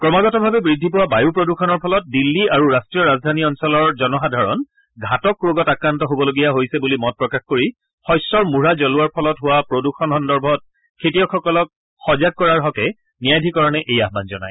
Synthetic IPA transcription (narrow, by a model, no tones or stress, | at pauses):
kɹɔmaɡɔtɔbʱabɛbɹidʱːipɔwabajupɹoduxʰɔnɔɹpʰɔlɔt̚dilːiaɹuɹastɹijɔɹazdʱaniɔnsɔlɔɹzɔnɔxadʱaɹɔ̰n | ɡʱatɔkːɹoɡɔtakɹantɔɦobɔloɡijaɦojsɛbulimɔt̚pɹɔkaxkoɹi | xɔjsɔɹmuɹazɔluaɹpʰɔlɔtɦʊwapɹoduxʰɔnɦɔndɔɹbʱɔt̚ | kʰetijɔxʰɔkɔlɔk̚ | xɔzaɡ̚kɔɹaɹɦɔkɛ | nijajdʱikɔɹɔnɛʔejaɦbanzɔna̰j